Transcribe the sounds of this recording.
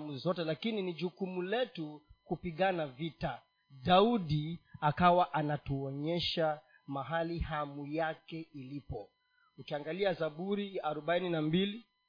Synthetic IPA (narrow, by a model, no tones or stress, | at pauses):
muzɔtɛlakininiʄukumulɛtukupiɠanavita | ɗauɗiakawaʔanatuɔɲɛʃa | maɦalihamujakɛilipɔ | ukiaŋɡaliazaɓuɾiaɾɔɓaininambili